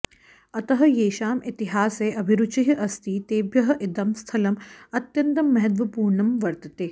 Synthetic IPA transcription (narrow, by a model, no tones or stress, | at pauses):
ɐt̪ɐɦɐ̆jeːʃaːmit̪iɦaːseːʔɐbʱiɾut͡ʃiɦɐʔɐst̪iːt̪eːbjɐɦɐʔid̪ɐmst̪ʰɐlɐmɐt̪jɐnt̪ɐmːɐɦɐt̪̬ʋɐpuːɾɳɐmʋɐɾt̪ɐt̪eː